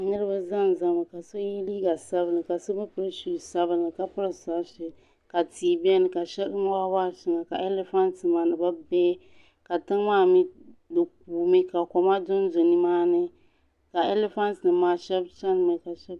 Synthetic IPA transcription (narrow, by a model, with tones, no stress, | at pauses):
nɨ˦ɾɨ˦ba˦za˦n˨za˦mɨ˨ka˨so˦ji˦liː˦ɡa˨sa˦bɨ˨nɨ˨ka˨so˦ba˦pɨ˦ɾɨ˦ʃi˨sa˦bɨ˨nɨ˨ka˨pɨ˦ɾɨ˨sa˦ʃɪ˨ | ka˨tiː˨bɛ˦nɨ˨ka˨ʃɛ˦ɗɨ˦ŋ˦wa˦waː˦˨ʃɪ˦˨ŋa˨ka˨ʔe˦lɛ˦fa˦ntɨ˨maː˨nɨ˨ba˦bɛː˦ | ka˨tɨ˦ŋ˦maː˦mi˦dɨ˨k̚uː˨mi˦ka˨kɔ˨ma˦dʊ˦n˦zo˨ni˦maː˦nɨ˦ | ka˨e˦lɛ˦fa˦ntnɨ˨maː˦ʃɛ˦bt͡ʃa˦n˨mɨ˨ka˨ʃɛ˦b